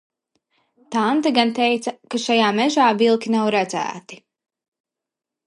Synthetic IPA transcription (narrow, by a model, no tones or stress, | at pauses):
t̪ant̪aɡant̪ɛjt̪sɐkaʃajaːmɛʒaːvilˠkʲinawɾæd̪zæ̰ːt̪i̥